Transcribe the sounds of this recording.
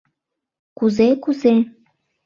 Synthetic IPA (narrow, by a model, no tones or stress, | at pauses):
kuzekuze